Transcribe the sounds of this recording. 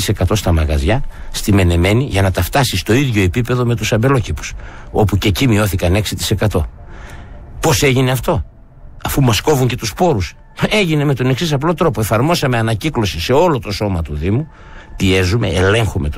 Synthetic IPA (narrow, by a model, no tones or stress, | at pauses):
ise̞kɐt̪o̞st̪ɐmɐɣɐ̰zʝɐst̪ime̞ne̞me̞niʝɐnɐt̪ɐft̪ɐsist̪o̞iðʝo̞e̞pipe̞ðo̞me̞t̪usɐmbe̞lo̞cipu̥so̞puce̞cimio̞θikɐne̞ksit̪i̥se̞kɐt̪o̞ | pose̞ʝine̞ɐft̪o̞ | ɐfumɐsko̞vuɲce̞t̪uspo̞ɾus | e̞ʝine̞me̞t̪o̞ne̞ksisɐplo̞t̪ɾo̞poe̞fɐɾmo̞sɐme̞ɐnɐciklo̞sise̞o̞lo̞t̪o̞so̞mɐt̪uðimu | pie̞zume̞̰ːle̞ŋxume̞t̪